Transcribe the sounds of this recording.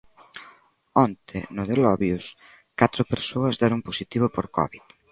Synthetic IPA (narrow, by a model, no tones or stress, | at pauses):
ɔnt̪ʰɪ̰nʊðelɔβjʊs | kat̪ɾʊpeɾsoɐzðɛɾʊŋposit̪iβʊpoɾkɔ̰βit̪